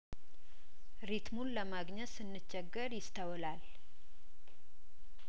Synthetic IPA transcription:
ɾit̪munləmaɡɲɛt̪sɨnːɨt͡ʃːɛɡːəɾjɪst̪ʰəwlal

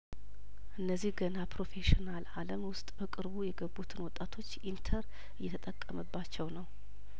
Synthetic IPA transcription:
ʔɨnːəzːihɡənapʰɾo̞feʃinalaləmwʊst̪ʼbəkʼɨɾbujɛɡəbːut̪ʰɨnwɔt̪ʼːat̪ʰo̞t͡ʃːint̪ʰəɾ | ɨjːɛt̪ʰət̪ʼəkʼːəməbːat͡ʃːɛwnəw

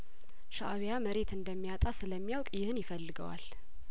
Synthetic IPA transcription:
ʃaʔaβjaməɾe̞t̪ɨnd̪əmːijat̪ʼasɨləmːijawkʼjɪhɨnjɪfəlːɨɡə̰wa̰l

